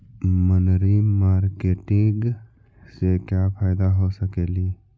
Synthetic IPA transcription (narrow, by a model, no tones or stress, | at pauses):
mənɾimaːɾkeːʈɪ̃ɡ | sekjapʰaːjd̪aɦosəkeːliː